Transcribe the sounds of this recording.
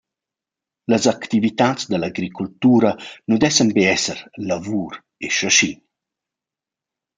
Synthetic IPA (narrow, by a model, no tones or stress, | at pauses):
ləzakt̪ivit̪at͡sd̪əlaɡɾikult̪uːɾanud̪ɛsənbeɛsəɾlavuːɾ | eʃaʃin